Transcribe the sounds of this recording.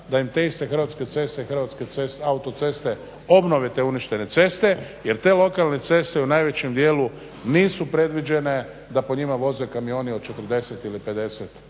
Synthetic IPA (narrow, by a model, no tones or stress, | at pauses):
d̪ajimt̪e̞ist̪e̞xr̩ɾʋat̪ske̞t̪se̞st̪eixɾ̩ʋat̪skeesaut̪o̞t̪se̞st̪e̞ | o̞bno̞ʋet̪euniʃt̪e̞ne̞t̪se̞st̪e̞je̞ɾt̪e̞ːlo̞kalne̞t̪se̞st̪eunajʋe̞t͡ɕemd̪jeːlu | niːsupɾe̞d̪ʋid͡ʒe̞ne̞ | d̪apo̞ɲimaʋo̞zekamio̞ːnio̞d̪t͡ʃe̞t̪r̩d̪e̞set̪ilipe̞d̪e̞set̪